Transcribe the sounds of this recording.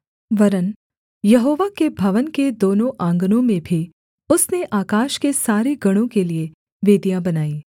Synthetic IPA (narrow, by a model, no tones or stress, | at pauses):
ʋɐɾən | jɐɦoːʋakebʱɐʋənked̪oːnõʔãːŋɡnõmẽbʱi | ʊsneʔaːkaːʃkesaːɾeɡɐɽ̃õkelie | ʋeːd̪ijãbɐnaːiː